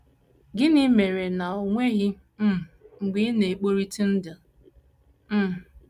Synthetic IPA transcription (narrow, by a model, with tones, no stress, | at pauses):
ɡɪ˦nɪ˦me˨ɾe˨na˨o˨ŋʷe˦ɣi˦ | m̩˦˨ŋ͡m̩˨ɡ͡bi˦ne˨k͡po˦ɾi˦ti˦n̩˦dɪ˨ | m̩˦˨